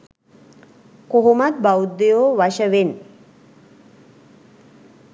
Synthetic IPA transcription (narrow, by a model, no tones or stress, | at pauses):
koɦomat̪̚bawud̪ejoːʋaʃəʋen